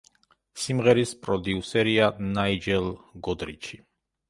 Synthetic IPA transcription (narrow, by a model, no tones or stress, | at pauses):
simʁɛɾispʼɾɔd̪iusɛɾianaid͡ʒɛlˠɡɔd̪ɾḭt͡ʃʰi